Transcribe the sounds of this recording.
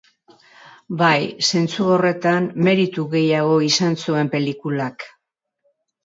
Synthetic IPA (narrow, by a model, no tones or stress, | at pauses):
bajse̞nt͡suo̞re̞t̪anme̞ɾit̪uɣe̞jaɣ̞o̞isansue̞mpe̞likulak